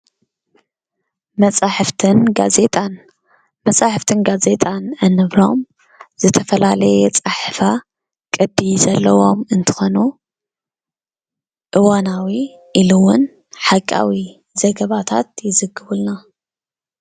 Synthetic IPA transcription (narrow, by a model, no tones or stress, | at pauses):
mɐt͡sʼaħɨft̪ʰɨnɡa̰ze̞t̪ʼan | mɐt͡sʼaħɨft̪ʰɨnɡaze̞t̪ʼanɐnɨβɾo̞̰m | z̥ɨt̪ʰɐfɐlalɐjɛt͡sʼaħfa | kʼɨd̪izɐlːɐwo̞mɨnt̪ʰɨ̥xo̞nu | ʔɨwanawi | ʔilɨwʊn | ħakʼːa̰wi | zɐɡɐβat̪ʰa̰t̪jɪzɨɡːɨβɨlna